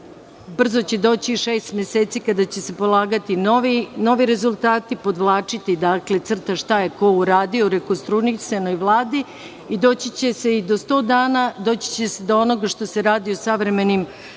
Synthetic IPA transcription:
br̩zo̞t͡ɕed̪o̞ːt͡ɕiʃeːst̪mjeseːt̪sikad̪at͡ɕe̞se̞po̞lˠaːɡat̪inoʋino̞ʋiɾe̞zulˠt̪aːt̪ipo̞d̪ʋlˠaːt͡ʃit̪id̪akle̞t̪sr̩t̪aʃt̪ajeko̞uɾaːd̪iouɾekost̪ɾuniseno̞jʋlˠaːd̪i | id̪o̞ːt͡ɕit͡ɕese̞id̪o̞st̪o̞ːd̪aːnad̪o̞ːt͡ɕi̥t͡ɕe̞sed̪oono̞ɡaʃt̪o̞se̞ɾaːd̪iosaʋɾe̞me̞nim

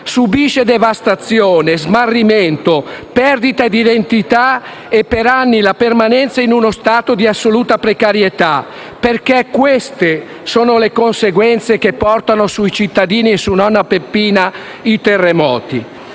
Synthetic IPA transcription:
subiːʃed̪evast̪at̪sjoːnezmarːiment̪opɛrd̪it̪aed̪id̪ent̪it̪a | epːeɾanːilapermanɛnt̪sainunost̪aːt̪od̪iasːoluːt̪apɾekaɾjet̪a | perkɛkwest̪e | soːnolekonseɡwɛnt̪sek̟epːɔrt̪anosuit͡ʃit̪ːad̪iːniesunɔnːapepːiːna | it̪erːemɔːt̪ḭ

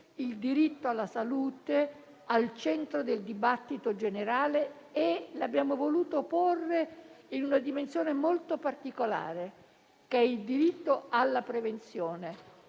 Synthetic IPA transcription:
ild̪iɾit̪ːoalːasaluːt̪e | alt͡ʃɛnt̪ɾod̪eld̪ibat̪ːit̪od͡ʒeneɾaːleː | labːjaːmovoluːt̪oporːeinunad̪imensjoːnemolt̪opart̪ikola̰ːɾe | kɛild̪iɾit̪ːoalːapɾevent̪sjɔːne

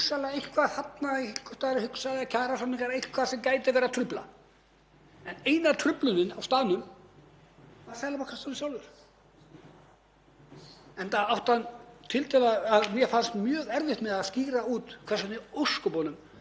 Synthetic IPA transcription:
ksalaejhkʰvḁhat̪naihɪ̥kʏst̪aːɾɪhʏksalɪacʰaːɾasɔnːiŋkaɾejhkʰvasɛmkaːjt̪ɪvɛːɾat̪ʰɾʏpla̰ | ɛneːjnat̪ʰɾʏplʏnɪnawst̪aːnʏm | vaɾθalapakʰɛsanɪsjaːwlvʏɾ̥ | ɛnt̪aawht̪ant̪ʰɪlt̪ʰɛlaaðmjɛfanst̪mjœːɣɛɾvɪht̪mɛðaðsciːɾauːt̪kʰvɛsat̪ɪowskʏpɔːnʏm

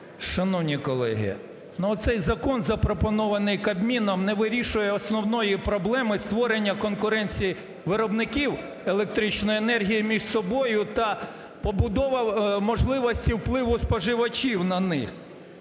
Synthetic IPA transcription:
ʃɐnɔwnʲikɔlˠɛ̰ɦɪ̰ | nʊɔt̪sɛjzɐkɔnzɐpɾɔpɔnɔʋɐnɪjkɐbmʲinɔmnɛʋɪɾʲiʃʊjɛɔsnɔwnɔjipɾɔblˠɛmɪst̪ʋɔɾenʲːɐkɔnkʊɾɛnʲt͡sʲiji | ʋɪɾɔbnɪkʲiw | elˠek̚t̪ɾit͡ʃnɔjenɛrɦʲijimʲiʒsɔbɔjʊt̪ɐ | pɔbʊd̪ɔʋɐmɔʒlˠɪʋɔsʲtʲiwplˠɪʋʊspɔʒɪʋɐt͡ʃʲiwnɐnɪ̰x

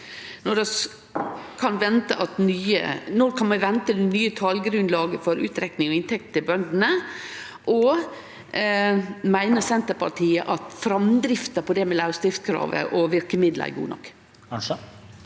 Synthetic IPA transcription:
nɔd̪ɛ | kʰɑnʋɛnt̪əʔɑt̪nyːə̰nɔːkʰɑnmɛʋɛnt̪əd̪nyːət̪ʰɑlɡɾʉnd̪lɑːɡəfɔɾʉ̰ːt̪ɾɛknɪŋɔɪnt̪ʰɛk̚t̪t̪ɪlbœnd̪n̩ə | ʔɔ | mæɪnəsɛnt̪əɾpʰɑʈʰiːəʔɑt̪fɾɑmd̪ɾɪft̪əpɔd̪ɛmɛlɑʉst̪ɪft̪kʰɾɑ̰ːʋə̰ʔɔʋɪɾkəmɪd̪l̰æ̰ɡṵːnɔ̰kː

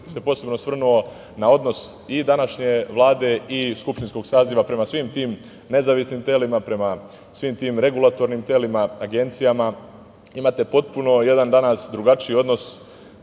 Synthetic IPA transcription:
se̞po̞se̞bno̞sʋr̩nuo̞ | nao̞d̪no̞sid̪anaʃɲe̞ʋlˠaːd̪e̞iskupʃt̪insko̞ɡsaːziʋapɾe̞masʋiːmt̪iːm | ne̞zaʋisnimt̪e̞limapɾe̞ma | sʋiːmt̪iːmɾe̞ɡulˠat̪o̞ɾnimt̪e̞limaaɡe̞nt̪sijama | imaːt̪e̞po̞t̪̚puno̞je̞d̪and̪anasd̪ɾuɡat͡ʃio̞d̪no̞s

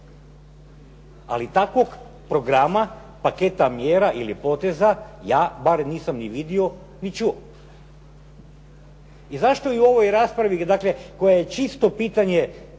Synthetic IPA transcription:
a̰lit̪akʋoɡ | pɾo̞ɡɾama | pake̞t̪amjeːɾaʔilipo̞t̪ezajaːbaɾniːsamniʋid̪io̞ | nit͡ʃuo | izaʃt̪o̞iuo̞ʋo̞jɾaːspɾaʋid̪akle̞ko̞jejet͡ʃist̪o̞piːt̪aɲe̞

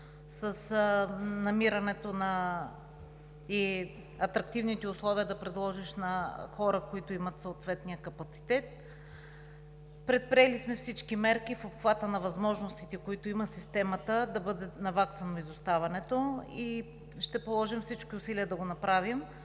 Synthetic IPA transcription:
sɐs | nɐmiɾɐnɛt̪onɐ | i | ɐt̪ɾɐkt̪ivnit̪ɛʊslˠɔviəd̪ɐpɾɛd̪lˠɔʒiʃnɐxɔɾəkoit̪oimɐt̪soot̪vɛt̪nijəkɐpɐt̪si̥t̪ɛt̪̚ | pɾɛt̪̚pɾiɛlismɛfsit͡ʃkimɛɾkifobxvat̪ənɐvɐzmɔʒnost̪it̪ɛkoit̪oimɐsist̪ɛmɐt̪əd̪ɐbɤd̪ɛnɐvaksɐnoizʊst̪avɐnɛt̪oi | ʃt̪ɛpolˠɔʒimfsit͡ʃkiʊsiliəd̪ɐɡonɐpɾavim

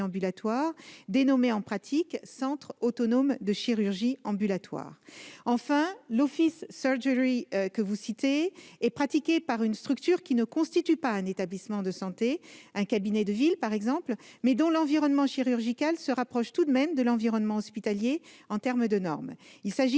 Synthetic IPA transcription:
ɑ̃bylat̪waʁd̪enɔmeɑ̃pχat̪ʰiksɑ̃t̪χot̪ɔnomd̪əʃiʁyʁʒiɑ̃bylat̪wa̰ːʁɑ̃fɛ̃lɔfisːœʁʒəʁikəvusit̪eɛpχat̪ikʲepaʁynst̪χyk̚t̪yʁkʲinəkɔ̃st̪it̪ypaɛ̃net̪ablismɑ̃d̪əsɑ̃t̪eɛ̃kabinɛd̪əvilpaʁɛɡzɑ̃plmɛd̪ɔ̃lɑ̃viʁɔnmɑ̃ʃiʁyʁʒikalsəʁapχɔʃt̪ud̪mɛmd̪əlɑ̃viʁɔnmɑ̃ɔspit̪aljeɑ̃t̪ɛʁmd̪ənɔ̰ʁmilsaʒi

